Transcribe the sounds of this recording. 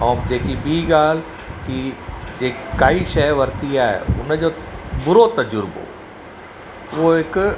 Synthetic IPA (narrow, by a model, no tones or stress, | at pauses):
ɔːmd͡ʑeːkibiːɡaːl̤ | kid͡ʑeːkaːiʃɐʋɐɾt̪iaːɦḛʊ̰nd͡ʑoːbʊɾot̪ɐd͡ʒʊɾbo̰ː | ʋoɦɪk